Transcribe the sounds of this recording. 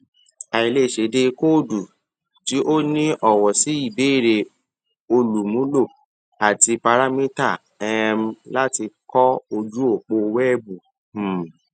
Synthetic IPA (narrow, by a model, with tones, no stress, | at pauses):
a˨i˨le˦˨ʃe˨˦de˧ko˦˨du˨ | ti˨˦ʔo˦nĩ˦ʔɔ˦˨wɔ˨si˨˦i˦˨be˨˦i˦˨ɾe˧ | o˧lu˨mũ˨˦lo˦˨ | a˨ti˧pa˧ɾa˦mĩ˦ta˦˨ | ɛ˦m˦la˦ti˧kɔ˦o˧d͡ʒu˦o˦˨k͡po˧wɛ˦bu˨